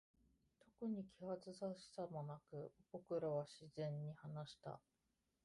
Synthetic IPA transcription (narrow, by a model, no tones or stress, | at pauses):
t̪o̞kɯ̟ɲ̟ikʲiβat͡sɨsaɕi̥samonakɯ̟b̥o̞kɯ̟ɾaβaɕizẽ̞ɲ̟ːihanaɕi̥t̪a̰